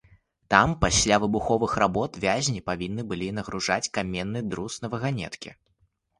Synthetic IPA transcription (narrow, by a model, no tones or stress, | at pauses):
t̪ampasʲlʲavɨbuxɔvɨxrabɔt̪vʲazʲnʲipavʲinːɨbɨlʲinɐɣɾuʐat͡sʲkamʲɛnːɨd̪ɾusnɐvɐɣanʲɛ̰t̪kʲḭ